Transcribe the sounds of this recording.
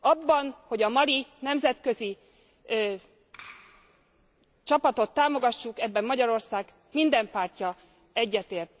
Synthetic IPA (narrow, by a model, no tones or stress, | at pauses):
ɒbːɒnho̞ɟɒmɒlinɛmzɛt̪kø̞ziː | t͡ʃɒpɒt̪o̞t̪ːaːmo̞ɡɒʃːukɛbːɛmːɒɟɒɾo̞rsaːɡ | mind̪ɛmpaːrcɒ | ɛɟːɛt̪eːrt̪̚